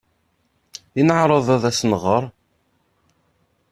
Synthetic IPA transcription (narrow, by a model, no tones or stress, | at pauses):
inəʕɾˤəðˤæðæsnʁəɾˤ